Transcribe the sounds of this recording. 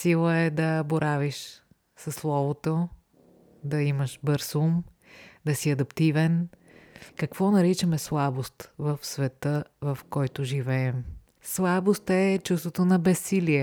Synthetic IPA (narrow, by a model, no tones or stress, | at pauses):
silˠəɛd̪ɐboɾʔaviʃ | sɐslˠɔvot̪o | d̪ɐiməʃbəɾsum | d̪ɐsiɐd̪ɐpt̪ivɛn | kɐkvɔnɐɾit͡ʃəmɛslˠabost̪vəfsvɛt̪əvəfkɔjt̪ʊʒivɛɛm | slˠabost̪ɛt͡ʃust̪vot̪onɐbɛsːiliɛ